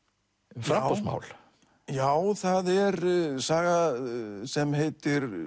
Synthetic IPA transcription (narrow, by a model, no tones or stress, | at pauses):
fɾaɔsma̰ːwl | jaːwθaðɛɾsaːɣasɛmɦeːjt̪ɪɾ